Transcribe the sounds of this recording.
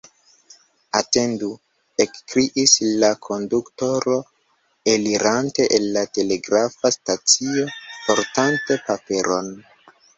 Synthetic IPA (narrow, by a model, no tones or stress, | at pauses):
ate̞ndu | ekkɾiʔislakʰo̞ndukto̞ɾo̞ | eliɾante̞ʔenːate̞le̞ɡɾafastat͡sio̞po̞ɾtante̞pape̞ɾo̞̰n